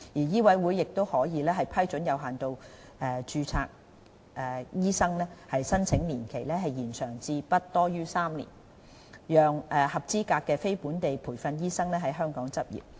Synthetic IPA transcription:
jiː˨˩jiː˥wɐ˨˥jwuː˨˥jːɪ˨k̚t̪o˥whɔː˨˥jiː˨˧lɛː˥ɦɐ˨jpʰɐ˥jt͡ʃɵ˨˥njɐ˨˧wɦaː˨nt̪o˧w | ɛː˧t͡ʃyː˧t͡sʰa̰ː˧k̚ | ʔɛː˨˩jiː˥sɐ˥ŋlɛː˥hɐ˨jsɐ˥nt͡sʰɪ˨˥ŋliː˨˩nkʰe˨˩jlɛː˥ɦɐ˨jiː˨˩nsœː˨˩ŋt͡siː˧pɐ˥t̚t̪ɔː˥jyː˥saː˥mlḭː˨˩n | jœː˨ŋʔɛː˨hɐ˨˩p̚t͡siː˥kaː˧kkːɛː˧fe˥jpuː˨˥nt̪e˨jpʰuː˨˩jfɐ˧njiː˥sɐ˥ŋlɛː˥ɦɐ˨˥jɦœː˥ŋkɔː˨˥ŋt͡sɐ˥p̚jḭː˨˩p̚

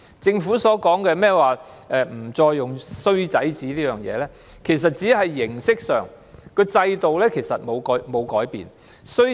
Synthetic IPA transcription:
t͡sɪ˧ŋfuː˨˥sɔː˨˥kɔː˨˥ŋkɛː˧mɛː˥waː˨˩ | ʔɛː˨˧m̩˨˩t͡sɔː˧jːʊ˨ŋsɵ˥ɥt͡sɐ˨˥jt͡siː˨˥liː˥jœː˨ŋjɛ̰ː˨˧lɛː˥ | kʰe˨˩js̬ɐ˨t̚t͡siː˨˥hɐ˨jːɪ˨˩ŋsɪ˥k̚sœ̰ː˨ŋ | kɵ˧t͡sɐ˧jt̪o˨wlɛː˥kʰe˨˩jsɐ˨t̚mo˨˧wkɔː˨˥mo˨˧wkɔː˨˥jpḭː˨n | sɵ˥

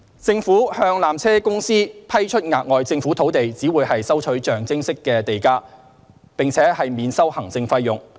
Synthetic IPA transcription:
t͡sɪ˧ŋfuː˨˥hœː˧ŋlaː˨mt͡sʰɛː˥kʊ˥ŋsiː˥pʰɐ˥jt͡ʃʰɵ˥t̚ŋaː˨k̚ŋɔː˨jt͡sɪ˧ŋfu˨˥t̪ʰo˨˥wt̪e˨jt͡siː˨˥wuː˨˧jhɐ˨jsɐ˥wt͡ʃʰɵ˨˥ɥt͡ʃœː˨ŋt͡sɪ˥ŋsɪ˥kːɛː˧t̪e˨jkaː˥ | pɪ˨ŋt͡sʰɛː˨˥hɐ˨jmiː˨˧nsɐ˥whɐ˨˩ŋt͡sɪ˧ŋfɐ˧˥jːʊ˨ŋ

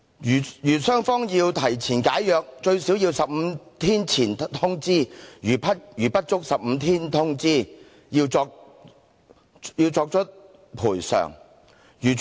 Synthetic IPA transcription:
jjyː˨˩sœː˥ŋfɔː˥ŋjiː˧wt̪ʰɐ˨˩jt͡sʰiː˨˩nkaː˨˥jːœː˨˧k̚t͡ʃɵ˧ɥsi˨˥wji˧wsɐ˨p̚m̩˨˧t̪ʰiː˥nt͡sʰiː˨˩nt̪ʰʊ˥ŋt͡siː˥jyː˨˩pɐ˥jyː˨˩pɐ˥t̚t͡ʃʊ˥k̚sɐ˨p̚m̩˨˧t̪ʰiː˥nt̪ʰʊ˥ŋt͡siː˥ | ji˧wt͡sɔː˧k̚ | ji˧wt͡sɔː˧k̚t͡ʃʰɵ˥t̚ | pʰuː˨˩jsœ̰ː˨˩ŋ | jyː˨˩

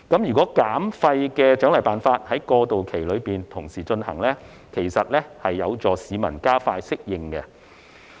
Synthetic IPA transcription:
kɐ˨˥mjyː˨kɔː˨˥kaː˨˥mfɐ˧jkɛː˧t͡ʃœ˨˥ŋlɐ˨˩jpaː˨nfaː˧t̚hɐ˨˥jkɔː˧t̪o˨wkʰe˨˩jlɵ˨˧ɥpiː˨nt̪ʰʊ˨˩ŋsiː˨˩t͡ʃɵ˧nhɐ̰˨˩ŋlɛ˥ | kʰe˨˩jsɐ˨t̚lɛː˥hɐ˨jːɐ˨˧wt͡sɔː˨˧siː˨˧mɐ̰˨˩nkaː˥faː˧jsɪ˥k̚jɪ˧ŋkɛ˧

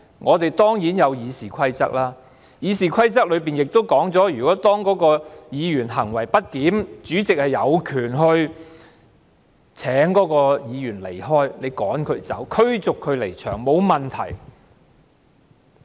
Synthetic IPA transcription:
ŋʔɔː˨˧t̪e˨jt̪ɔː˥ŋjiː˨˥njɐ˨˧wjiː˨˧siː˨kʷʰɐ˥jt͡sɐ̰˥k̚laː˥ | jiː˨˧siː˨kʰɐ˥jt͡sɐ˥k̚lɵ˨˧piː˨˩njɪ˨k̚t̪o˥wkɔː˨˥ŋt͡sɔː˨˥jyː˨˩kɔː˨˥t̪ɔː˥ŋkɔː˨˥kɔː˧jiː˨˧jyː˨˩nɦɐ˨˩ŋwɐ˨˩jpɐ˥t̚kiː˨˥mt͡ʃyː˨˥t͡sɪ˨k̚hɐ˨jːɐ˨˧wkʰyː˨˩nɦɵ˧ɥ | t͡sʰɛː˨˥ŋkɔː˨˥kɔː˧jiː˨˧jyː˨˩nle˨˩jɦɔː˥jle˨˧jkɔː˨˥ŋkʰɵ˨˧ɥt͡sɐ̰˨˥wkʰɵ˥ɥt͡sʊ˨kʰːɵ˨˧ɥle˨˩jt͡ʃʰœ̰ː˨˩ŋmo˨˧wmɐ˨˩nt̪ʰɐ̰˨˩j

